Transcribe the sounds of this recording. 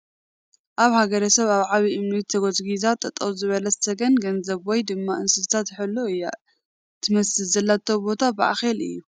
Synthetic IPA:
ʔaβhaɡɐɾɐsɐβaβʕaβiʔɨmnit̪ʰːɐɡozɡizat̪ʼɐt̪ʼːɐwzɨβɐlɐssɐɡɐnɡɐnzɐβwɔjd̪ɨmːaʔɨnsɨzt̪ʰat̪ħɨlːoɨjːa̰ | t̪ʰɨmɐsɨzɐlːat̪ʰɐwbo̞t̪ʰabɨʔa̰xelɨ̰jːu

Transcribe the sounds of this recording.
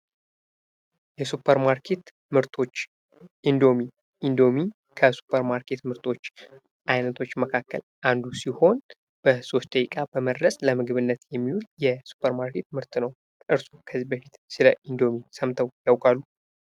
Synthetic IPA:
jɛsupʰːəɾmaɾkʰe̞t̪ | mɨɾt̪ʰo̞t͡ʃː | ʔind̪o̞mi | ind̪o̞mi | kʰəsu̥pʰːəɾmaɾkʰe̞t̪mɨɾt̪ʰʼo̞t͡ʃː | ʔajnət̪ʰo̞t͡ʃːməkʰakːə̰lʔand̪usiho̞n | b̥əso̞st̪ʼəjikʼabəməd̪ɾəsʼləmɨɡɨβɨnːət̪jɛmːiwuljɛsu̥pʰːəɾmaɾkʰe̞t̪̚mɨɾt̪nəw | ʔɨɾsukʰəzːibəfit̪sɨləʔind̪o̞misəmt̪ʰəwjawkʼalːu

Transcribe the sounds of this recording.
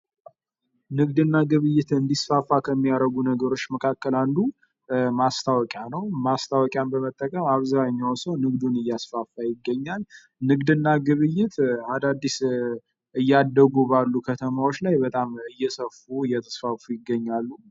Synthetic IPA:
nɨɡd̪ɨnːaɡɨβɨjːɪt̪ɨnd̪isfafːakʰəmːijaɾəɡunəɡəɾo̞t͡ʃːməkʰakːəland̪u | mast̪ʰawɔkʼjanəwmast̪ʰawɔkʼjambəmət̪ʼːəkʼəmaβzaɲːawsəwnɨɡd̪unɨjːasfafːajɪɡːəɲːal | nɨɡd̪ɨnːaɡɨβɨjːɪt̪ad̪ad̪ːis | ɨjːad̪ːəɡubalːukʰət̪ʰəmawot͡ʃːlajbət̪ʼamɨjːɛsəfuɨjɛt̪ʰə̥sfafujɪɡːəɲːalːu

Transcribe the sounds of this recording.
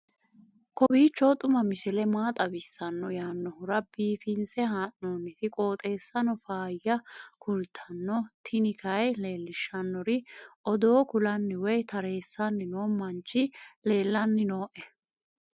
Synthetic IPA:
kɔbiːt͡ʃːɔt̪ʼʊmɐmɪsɛlɛmaːt̪ʼɐbɪsːɐnːɔjaːnːɔhʊɾɐbiːfɪnsɛɦaːnnoːnːɪt̪ɪkʼoːt̪ʼe̞ːsːɐnɔfaːjɐkʰʊlt̪ʰɐnːɔt̪ʰɪnɪkʰɐjle̞ːlːɪʃːɐnːɔɾɪʔɔd̪oːkʊlɐnːɪwɔjt̪ʰɐɾe̞ːsːɐnːɪnoːmɐnt͡ʃːɪle̞ːlːɐnːɪnoːʔɛ

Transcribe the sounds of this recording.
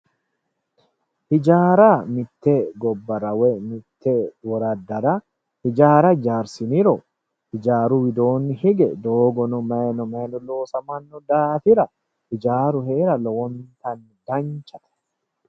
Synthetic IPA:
hɪd͡ʒaːɾamɪt̪ːeɡɔbːɐɾɐwɛmɪt̪ːewɔɾɐd̪ɐɾɐ | hɪd͡ʒaːɾɐd͡ʒaːɾsɪnɪɾɔ | hɪd͡ʒaːɾʊwɪd̪o̞ːnːɪhɪɡɛd̪oːɡɔnʊmɐnɔmɐjnɔlo̞ːsɐmɐnːʊd̪aːfɪɾɐ | hɪd͡ʒaːɾʊɦe̞ːɾɐlɔwɔnt̪ɐn | d̪ɐnt͡ʃɐt̪ɐ̥

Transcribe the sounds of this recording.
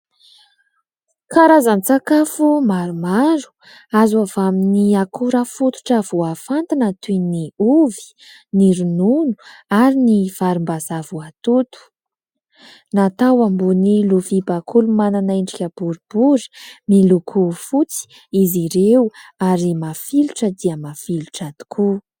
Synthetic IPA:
kaɾazanit͡sakafumaɾumaɾu̥ | azavaminiakuɾəfut̪u̥ʈ͡ʂav̥uafant̪anat̪uniuvi̥ | niɾununuaɾiniv̥aɾumbazavuat̪ut̪u̥ | nat̪awambuniluvibakʰulumananaiɳɖ͡ʐikʲəb̥uɾibuɾi̥milukʰufut͡si̥ | iziɾewaɾimafiluʈ͡ʂəd̪iəmafiluʈ͡ʂad̪̥i̥kʰu

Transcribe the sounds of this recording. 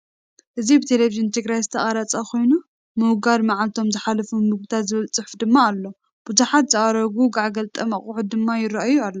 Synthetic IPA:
ʔɨzibɨt̪ʰeleviʒɨnt̪ʰɨɡɾajzɨt̪ʰɐχʼaɾat͡sʼɐkʰo̞jnu | mɨwɡaɾmaʕalt̪ʰo̞mzɨħalɐfumːɨɡut̪ʰat̪zɨβɨlt͡sʼɨħfd̪ɨmːaːlːo̞ | b̥uzuħat̪zɨʔaɾɐɡuɡaʕɡɐlt̪ʼɐmɐχʼuʕud̪ɨmːajɪɾɐʔajualːo

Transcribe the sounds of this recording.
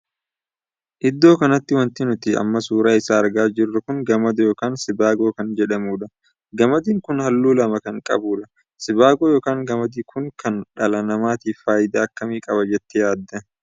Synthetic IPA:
ʔɪd̪ːo̞ːkɐnɐt̪ːɪwɐnt̪ɪnʊt̪ɪɐ̰mːɐsuːɾaːɪsaːɐɾɡaːd͡ʒɪrːɐkʊŋɡɐmɐd̪ɐjoːkaːnsɪbaːɡo̞ːkɐnd͡ʒɛᶑɐmuːᶑɐ | ɡɐmɐd̪iːŋkʊnhɐlːuːlɐmɐkɐŋkʼɐ̰buːᶑɐ | sɪbaːɡoːjo̞ːkaːŋɡɐmɐd̪iːkʰʊŋkɐnᶑɐlɐnɐmaːt̪iːfːaːjɪd̪aːɐkːɐmiːkʼɐbɐd͡ʒɛt̪ːɪjaːd̪ːɐ

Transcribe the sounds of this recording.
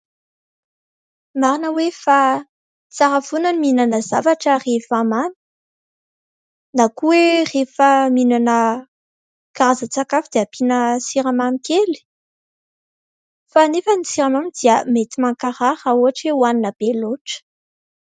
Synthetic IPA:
maɾinəwefa | t͡saɾafunaniminanəzavaʈ͡ʂərefamani̥ | nakuwerefəminanə | kaɾazət͡sakafid̪eapinəsiɾamamikeli̥ | fanefənisiɾamamid̪iəmet̪imaŋkaɾahauɦaʈ͡ʂewaninab̥eloʈ͡ʂə̥

